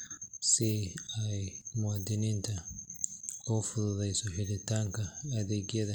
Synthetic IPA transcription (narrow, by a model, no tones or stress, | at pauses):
sɪɐjmʊwad̪ɪnint̪ʰɐ | kɔfʊðʊðɐjsɔħɪlɪt̪aːŋkɐːðeːɡɪjɐðɐ